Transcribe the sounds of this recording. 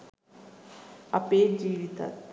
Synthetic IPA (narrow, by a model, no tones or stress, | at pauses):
ɐ̰peːd͡ʒiːʋit̪a̰t̪